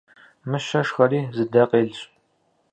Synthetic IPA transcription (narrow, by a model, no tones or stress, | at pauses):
mɨʃɐʂχɐɾiːzɨdɐqʼeːɮɕʼ